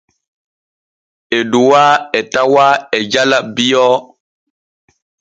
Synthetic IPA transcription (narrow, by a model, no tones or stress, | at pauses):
eɖuwaːɛtawaːɛd͡ʒalabijɔː